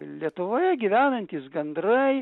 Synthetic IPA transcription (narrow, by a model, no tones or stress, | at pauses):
lʲiɛt̪ʊʋoːjɛɡʲiʋʲæːnɐnʲt̪ʲiːsɡɐnd̪ɾɐɪ